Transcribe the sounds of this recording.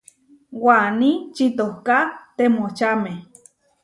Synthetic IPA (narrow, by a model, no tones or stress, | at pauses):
wanit͡ʃit̪ohkat̪emot͡ʃame